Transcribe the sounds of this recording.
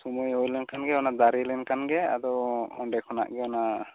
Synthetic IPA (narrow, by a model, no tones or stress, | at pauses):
sumujɦojlɛnkanɡɛɔnad̪aɾilɛnkanɡɛa̰d̪ɔwɔ̰ɳɖɛkʰɔna̰ʔɡɛɔna